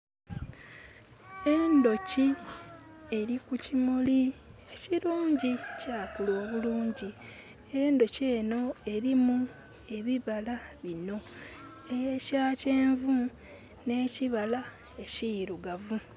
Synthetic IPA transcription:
e̞ndo̞ci | e̞ɾikucimulie̞ciɾuːɲɟicaːkulo̞ːβuluːɲɟi | endo̞ce̞ːno̞e̞ɾimu | e̞βiβalaβino̞ | ejecaːce̞ːɱvu | ne̞ːciβala | e̞ciɾuɡavu

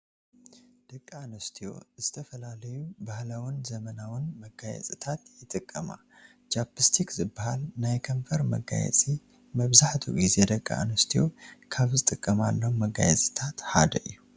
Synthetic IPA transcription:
d̪̥ɐkʼːanɐst̪ʰijo̞̰zɨt̪ʰɐfɐlalɐjubahlawɨnzɐmɐnawɨnmɐɡajɛ̰t͡sʼɨt̪ʰat̪jɪt̪ʼɨkʼːɐma̰ | t͡ʃapɨst̪ʰikzɨbːahalnajkʰɐɱfɐɾmɐ̰ɡa̰jɛ̰t͡sʼi | mɐβzaħt̪ʰṵɡize̞d̪ɐkʼːa̰nɐst̪ʰijo̞kʰaβzɨt̪ʼɨkʼːɐmalːɐwumɐɡa̰jɛt͡sʼɨt̪ʰat̪ħa̰d̪ɐ̰ʔijːu

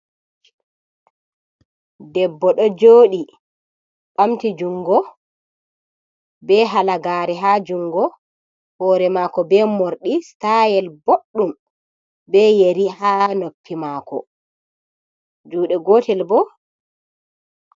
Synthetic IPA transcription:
dɛbːɔɗɔd͡ʒoːɗi | ɓamtid͡ʒuŋɡɔ | bɛɦalaɡaːɾɛɦaːd͡ʒuŋɡɔ | hɔːɾɛmaːkɔbɛmoɾɗistajɛlboɗːum | bɛjeɾihaːnopːimaːkɔ̰ | d͡ʒuːɗɛɡɔːtɛlbɔ

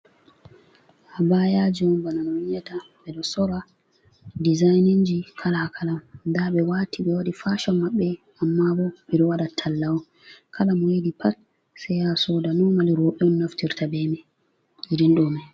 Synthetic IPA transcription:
habajad͡ʒɔmbananɔɲɛtabɛɗɔsɔɾa | dizajniɲd͡ʒikʰalaakʰalamdabɛwaːtiɓɛwadifaʃɔmːaɓːɛ | amːabɔb̥ɛɗɔwaɗatʰalːawɔ | kʰalamwedipʰat | sɛjasɔdanɔmaliɾɔɓɛɔnnaftiɾtabɛmɛ | jidinɗɔma

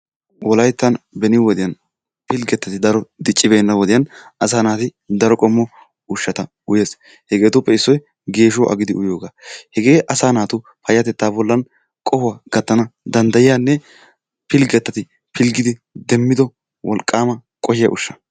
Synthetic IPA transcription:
wɔlɐjt̪ːɐnbɛnɪwɔd̪ɪjɐn | pɪlɡɛt̪ːɐt̪ɪd̪ɐɾɔd̪ɪt͡ʃʼːɪbejnːɐwɔd̪ɪjɐnɐsaːnaːt̪ɪ | d̪ɐɾɔkʼɔmːɔ | ʊʃːɐt̪ɐ | ʊjeːs | hɛɡe̞ːt̪ʊpːɛɪsːɔj | ɡe̞ːʃ̬ɔʔɐ̰ɡɪd̪ɪʊjo̞ːɡaːhɛɡe̞ːʔɐsaːnaːt̪ʊ | pɐjːɐt̪ɛt̪ːaːbɔlːɐn | kʼɔfʊwaɡ̥ɐt̪ːɐnɐd̪ɐnd̪ɐjɪjanːɛ | pɪlɡɛt̪ːɐt̪ɪ | pɪlɡɪd̪ɪd̪ɛmːɪd̪ɔ | wɔlkʼːaːmɐ | kʼɔʃɪjɐ̰ʔʊ̰ʃːɐ̥

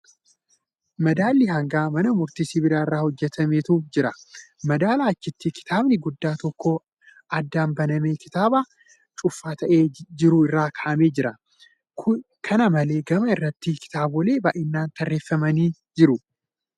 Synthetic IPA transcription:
mɐd̪aːlːɪhɐŋɡaːmɐnɐmʊɾt̪isiːbɪɾaːɪrːaːhɔd͡ʒːɛt̪ʰɐmeːt̪uːfd͡ʒɪɾɐmɐd̪aːlaːt͡ʃːɪt̪ːɪkɪ̥t̪ʰaːbnɪɡʊd̪ːaːt̪ɔkːo | ʔɐd̪ːaːnbɐnɐme̞ːkɪ̥t̪aːbaː | t͡ʃʼʊfːaːt̪ʰɐʔe̞ːd͡ʒɪɾuɪrːaːkʰɐʔɐme̞ːd͡ʒɪɾɐ | k | kʰɐnɐmɐle̞ːɡɐmɐɪrːɐt̪ːikɪ̥t̪aːbɔle̞ːbaːʔɪnːaːnt̪ɐrːe̞ːfːɐmɐniːd͡ʒɪɾʊ

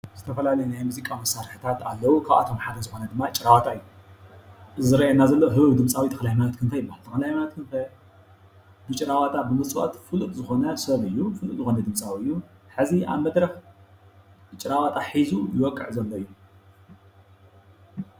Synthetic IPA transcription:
zɨt̪ʰɐfɐlalɐjɛnajmuzikʼamɐsːaɾħɨt̪ʰat̪alːɐwukʰaβʔa̰t̪ʰo̞mħad̪ɐzɨxo̞nɐd̪ɨmːaɨt͡ʃʼɾawat̪ʰaɨjːu | zɨɾɐjenːazɐlːɐɦɨβɨβd̪ɨmsʼawit̪ʰɐ̥xlajmanat̪kʰɨnt̪ʰajɪbahalt̪ʰɐxɐlajmanat̪kʰɨnt̪ʰaj | bɨt͡ʃʼɪɾawat̪ʰabɨmɨt͡sʼuʔo̰t̪fɨlut̪ʼzɨxo̞nɐsɐβɨjːufɨlut̪ʼzɨxo̞nɐd̪ɨmsʼawiɨjːuħɨzia̰βmɐd̪ɾɐx | t͡ʃʼɪɾawat̪ʰaħizujɪwɔkʼːɨʕzɐlːoɨjːu

